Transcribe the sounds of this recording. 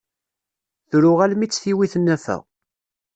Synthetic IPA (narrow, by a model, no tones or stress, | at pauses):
θɾʊʁælmit͡sːθiwiθənːæfæ̰ʁ